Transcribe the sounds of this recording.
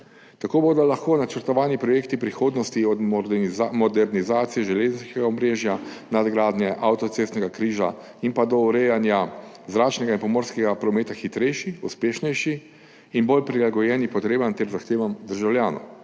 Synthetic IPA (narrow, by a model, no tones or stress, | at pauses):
t̪akoːboːd̪ɔlaxkoːnat͡ʃəɾt̪ɔʋaːnipɾɔjekt̪ipɾixoːd̪nɔst̪iɔd̪ | mɔd̪ɛɾnizaːt̪sijɛʒɛleːzn̩skɛɡaɔmɾeːʒja | nad̪ɡɾaːd̪nɛʔawt̪ɔt̪sest̪nɛɡakɾiːʒa̰ | impad̪ɔuɾɛjanja | zɾaːt͡ʃnɛɡainpɔmoːɾskɛɡapɾɔmeːt̪axit̪ɾɛjʃiuspeːʃnɛjʃiː | nbolpɾilaɡɔjɛːnipɔt̪ɾeːbant̪ɛɾzaxt̪eːʋamd̪əɾʒawljaːnɔ̰